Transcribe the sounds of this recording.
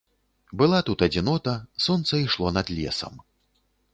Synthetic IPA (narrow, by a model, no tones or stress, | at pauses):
bɨlˠat̪ut̪ɐd͡zʲinɔt̪ɐsɔnt̪sɐiʂlˠɔnɐd̪lʲɛ̰sɐ̰m